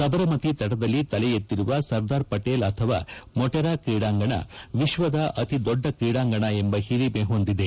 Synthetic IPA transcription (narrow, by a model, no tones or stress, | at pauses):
sɐbɐɾɐmɐt̪it̪ɐʈɐd̪ɐlːit̪ɐlɛjet̪ːiɾuʋɐsɐɾd̪aːɾpɐʈeːlɐt̪ʰɐʋaːmɔʈɛɾaːkɾiːɽaːŋɡɐɳɐ̰ʋiʃʋɐd̪ɐʔɐt̪id̪ɔɖːɐkɾiːɽaːŋɡɐɳɐembɐhiɾimeɦo̞nd̪id̪e